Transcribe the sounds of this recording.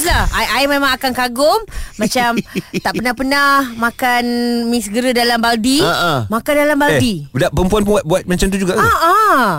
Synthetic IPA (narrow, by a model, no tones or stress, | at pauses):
slahaʔaimẽmãŋakankaɡʊŋːãt͡ʃamt̪aʔpənahpənahmakanmĩsəɡəɾədalambaldiaʔmakandalambadidaʔpəmpuanp̬ʊnwat̪̚buat̪̚mat͡ʃamt̪ud͡ʒuɡaʔaa